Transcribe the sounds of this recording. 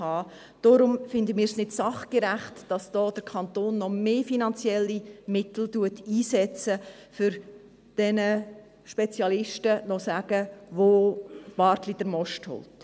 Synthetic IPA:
hɑː | d̥ɔɾʊmfɪndəmiːɾsnɪdsɑχɡ̥eɾæχtd̥ɑsd̥ɔːd̥əɾkʰɑntoːnːɔmeːfinɑnt͡sjɛlːimɪtl̩duətiːsɛt͡sə | fʏɾ | d̥ɛnə | ʃpɛt͡sjɑlɪʃtənɔsæɡ̥əʋob̥ɑɾtlid̥əɾmɔʃthʊ̰lt

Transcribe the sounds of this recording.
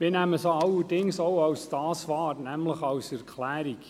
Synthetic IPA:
mɪːnæməsoɑlːəɾdɪŋsowɑwstɑːsfɑːtnæmləχɑwsɛɾkʰlæːɾik

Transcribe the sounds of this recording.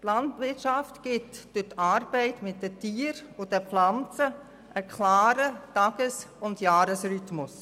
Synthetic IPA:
tlɑndvɪtʃɑftɡ̥ɪtd̥ʊtʰɑːɾb̥ɛɪtmɪt̚dətiːəɾʊd̥ɛpflɑnt͡sə | ʔəkʰlaːɾətɑɡ̥əsʊndjaːɾəsɾytmʊs

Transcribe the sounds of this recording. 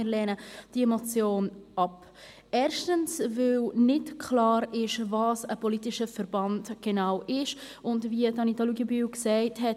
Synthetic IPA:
ɪlɛːnəd̥iɛmɔt͡sjoːnɑp | ɛːɾʃtənsvɪlnɪtkʰlɑːɾɪʃvɑːsəpɔlitɪʃəfɛɾbɑntɡ̥enaʊwʔɪʃ | ʊndviːtɑnitɔluɡibyːwksɛɪtɦɛt

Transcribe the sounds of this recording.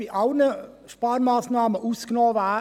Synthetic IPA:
iʔɑlnə | ʃpɑːɾmɑːsnɑːməʔuːsknɔːvæː

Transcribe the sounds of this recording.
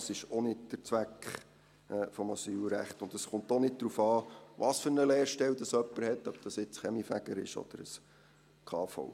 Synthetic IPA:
sɪʃɔnɪt̚d̥ət͡sʋækχ | ɛfɔmɑsyːlɾæ̰χt̪ʊndəsχʊnt̪ɔnɪt̚d̪ɾuːfɑːʋɑsfʏɾnəleːɾʃtɛld̥̪ɑsœpːəɾhɛt̪œp̚d̥ɑsɪt͡sχɛmifæɡ̥əɾɪ̰ʃɔ̰d̥̪əɾəs | kʰɑːfɔ̰w

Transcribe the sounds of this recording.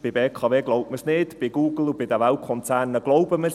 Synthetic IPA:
b̥ɪbɛːkʰɔvɛːɡlowp̚məsnɪːd̥b̥ɪːɡuːɡəlˠubɪd̪avawkʰɔntʰanːəɡlˠowbəməs

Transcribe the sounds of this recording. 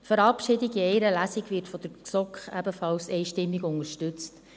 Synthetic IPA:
tfəɾɑpʃɪdiɡiɛɪɾəlæsɪɡvɪɾtfɔd̥əɾksɔkχæbəfɑlsɛɪʃtɪmːɪɡʊnəɾʃtʏt͡st

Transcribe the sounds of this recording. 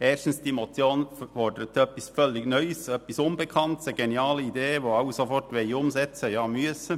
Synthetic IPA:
eːʃtn̩sd̥iːmot͡sjoːnfɔdəət̪ʰœpɪsfœlːɪɡ̥nœʏsœpɪsʊnbəkʰɑntsəɡeniɑːləid̪eːʋoːaʊsofɔrtʋeɪʊmzɛt͡səjɑːmyəsə

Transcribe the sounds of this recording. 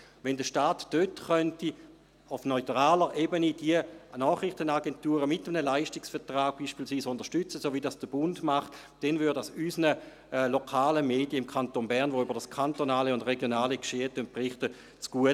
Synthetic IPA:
vɛndəʃtaːtd̥øtχœnti | ʊfnɔʏtʁaːləʁʔeːbənid̥iənɔːχʁɪχtənaɡɛntuːʁəmɪtəmənəlaɪʃtɪksfɛɐtʁaːɡ̥̚b̥iːʃpiːlsʋiːsʊnd̥ɐʃtʏt͡səsoːvidasd̥əb̥ʊndmaχt | d̥ɛnvʏːɐddasysnə | lokʰaːləmeːdijəɪmkʰantonbɛɐnʋoybɐʁd̥askʰantonaːləʊndʁeɡjonaːləkʃeːətønt̚pʁɪχtə | t͡sɡ̥uə

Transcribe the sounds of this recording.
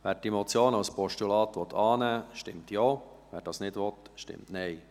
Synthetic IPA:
ʋæːɾdimɔt͡sjoːnɑʊspɔʃtulɑːt̪ʋɔt̪ʰɑːnæːʃtɪmt̪joː | ʋæːɾd̥ɑːsnɪdʋɔt̪ʃtɪ̰mtnɛɪ

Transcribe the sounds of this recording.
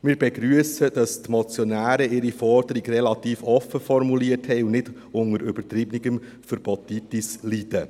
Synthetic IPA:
mɪːɾbɛɡɾyəsəd̥ɑstmɔt͡sjɔnæːɾəʔɪɾifɔɾd̥̪əɾiɡrɛlɑt̪iːfɔfəfɔɾmuliəthɛɪʊnnɪd | ʊŋəɾʏb̥ət̪ɾɪbniɡəm | fəɾbɔt̪it̪islid̥ə

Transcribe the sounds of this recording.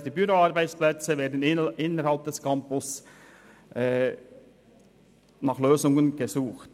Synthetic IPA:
d̥iːbyɾoɑɾbaɪt͡splɛt͡səveːɐdn̩ɪʔɪnːəɾhɑlp̚d̥ɛskʰɑmpʊs | ʔɛː | nɑːχløːzʊŋənɡ̥ezuːχt

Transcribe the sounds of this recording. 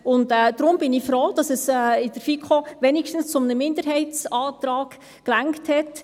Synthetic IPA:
ʊntɛːd̥ɾʊmb̥ɪnifɾɔwd̥ɑsɛsɛːɪd̥əɾfikʰoʋɛnikʃtən̩st͡sʊmnəmɪndəɾɦɛɪtt͡sɑːtɾɑːɡ̥ | klæŋkthɛt

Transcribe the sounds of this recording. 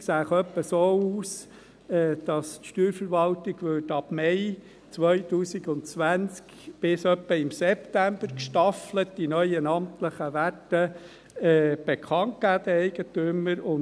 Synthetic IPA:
ksæːχœpːəsoːuːs | ɛːd̥ɑstʃtyːɾfəɾʋɑltɪɡʋʏtɑb̥mɛɪ | t͡sʋœʏtuːsiɡʊntt͡sʋænt͡sk | b̥ɪsœpːəɪmsɛptæmbəɾkʃtɑflətdinœʏənɑmtləχəʋætːə | ɛːb̥ekʰχɑnt̚ɡ̥æːd̥̪əɛɪɡ̥ətʏməɾʊn

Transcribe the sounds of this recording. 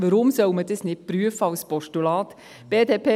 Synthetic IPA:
ʋəɾʊmsœwmədəsnɪt̚pɾyəfəɑwspɔʃtulɑːt̪ | b̥eːdeːpʰe

